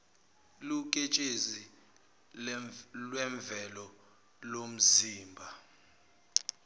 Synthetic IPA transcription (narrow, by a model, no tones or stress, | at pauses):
luk̬ʼet͡ʃʼezi | lwɛɱb̪vʱɛlɔ | lom̩ziːmbʱa